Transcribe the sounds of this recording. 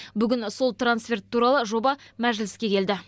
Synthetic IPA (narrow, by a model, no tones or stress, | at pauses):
bʏɡʲɪnso̞lˠt̪ransfʲe̞rt̪ʰːuɾɑlˠəʒo̞bɑmæʒlɪskʲe̞kʲe̞ld̪ɪ